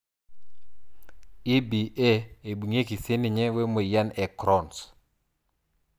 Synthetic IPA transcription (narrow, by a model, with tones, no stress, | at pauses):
i˦bi˨ʔe˦e˨bu˨ŋe˦ki˨sɪ˦nɪ˨ɲɛ˦we˦mo˨ja˦nɛ˨kɾɔ˦˨ns